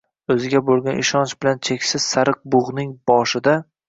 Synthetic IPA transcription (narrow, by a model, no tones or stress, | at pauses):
ɵzɪɡʲabolˠɡʲanʔɪʃɒnt͡ʃbɪlant͡ʃʰe̞kʲsɪz̥saɾɨq̚bʊʁnɪŋb̥ɒʃɪd̪a